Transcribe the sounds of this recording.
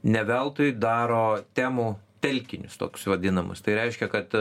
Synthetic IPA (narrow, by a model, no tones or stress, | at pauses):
nʲɛʋʲɛlˠt̪ʊjd̪ɑːɾoːt̪ʲæːmuːt̪ʲɛlʲkʲɪnʲʊst̪o̰ːkʲʊ̥sʋɐd̪ʲɪnɐmɐ̰st̪ɐɪɾʲɛɪʃʲkʲɛkɐt̪